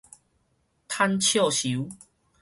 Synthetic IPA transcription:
t̪ʰa˦nt͡ɕʰjo˥˨ɕu˨˦

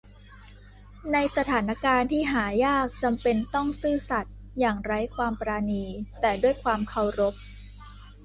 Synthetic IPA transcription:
na˧jsa˧t̪ʰaː˩˦na˦˥kaː˧nt̪ʰiː˥˩ɦaː˩˦jaː˥˩k̚t͡ɕa˧mpe˧nt̪ɔ˥˩ŋsɯː˥˩sa˨˩t̪̚ | jaː˨˩ŋɾa˦˥jkʰwaː˧mpɾaː˧niː˧t̪ɛː˨˩du˥˩əjkʰwaː˧mkʰa˧˩wɾo˦˥p̚

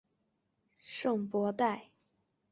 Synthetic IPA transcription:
ʂɤ˥˩ŋpwɔ˧˥t̪a˥˩ɪ

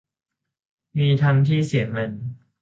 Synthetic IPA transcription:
miː˧t̪ʰa˧nt̪ʰiː˥˩si˨˩˦me˧n

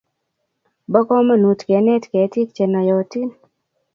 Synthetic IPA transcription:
bɔ˦kɔ˦ma˦nu˨tkɛ˨˦nɛ˦tkɛ˨˦ti˦k̚t͡ʃɛ˨na˨jɔ˨ti˦n

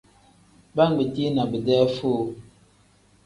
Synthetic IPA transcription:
ba˦˨ŋ˦ɡ͡bi˨ti˦na˨bə˨dɛ˦fo˦˨

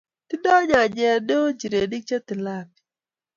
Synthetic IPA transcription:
t̪ɪ˦dɔ˦ɲɔ˨d͡ʒɛ˨do˦d͡ʒi˨ɾe˨di˦k̚t͡ʃa˦t̪ɪ˨la˦˨k̚

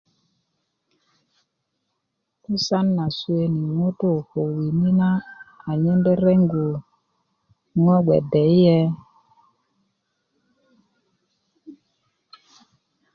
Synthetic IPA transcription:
u˦sa˦nːa˨swe˦ni˨ŋo˦to˦˨ho˨wi˨ni˦na˦a˨ɲɛ˦ndɛ˦ɾɛ˦ŋɡu˨ | ŋɔ˦ɡwɛ̰˨dɛ˨i˦jɛ˦

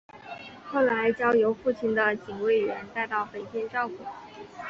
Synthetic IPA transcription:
xo˥˩ʊla˧˥ɪt͡ɕjɑ˥ʊjo˧˥ʊfu˥˩t͡ɕʰi˥˩nd̪ə˧t͡ɕi˨˩ŋwe˥˩ɪɥɛ˧˥nt̪a˥˧ɪt̪ɑ˥˩ʊpe˨˩ɪt̪jɛ˥˧nʈ͡ʂɑ˥˧ʊpu˥˩˦

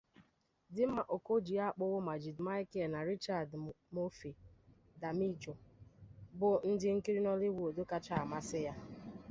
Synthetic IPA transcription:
dɪ˦m̩˦ma˨ʔo˨ko˦d͡ʒi˨a˦˨k͡pʊ˦ɣʊ˦ma˨d͡ʒi˨dma˦ɪ˦ke˨na˨ɾi˦t͡ʃa˨d | mo˦fi˨ | da˨mi˦d͡ʒo˨ | bʊ˨n̩˦dɪ˦ŋ̩˦ki˦ɾi˦nɔ˦lɪ˦wʷo˨do˦ka˦t͡ʃa˦a˨ma˦sɪ˦ja˦

